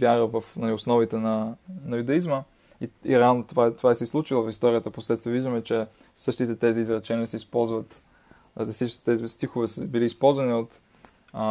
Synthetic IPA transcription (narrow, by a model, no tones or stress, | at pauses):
vʲjaɾəvəfnɐliosnɔvit̪ɛnɐnɐjud̪ɐizmə | iḭɾɛalˠnot̪ovat̪ovaɛsɛslˠut͡ʃilˠəfist̪ɔɾijət̪əposlɛt̪t̪viəviʒd̪əmɛt͡ʃɛ | sɤʃt̪it̪ɛt̪ɛziːzɾɛt͡ʃɛniəsɛispɔlˠzvət̪ | siʃit̪ɛzist̪ixovɛsbiliːspɔlˠzvɐniot̪